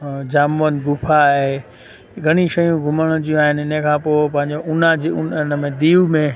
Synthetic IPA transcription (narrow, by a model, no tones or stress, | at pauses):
d͡ʑaːmənɡʊpʰaɦe | ɡʱɐɽ̃iʃɐjũɡʱʊməɽ̃ʊd͡ʑiũaːɦɪnɪɪnə̃ẽkʰãːpoːɪpɐ̃ɦɪ̃ɲd͡ʑoʔʊnad͡ʑiʊnnmẽd̪iːumẽ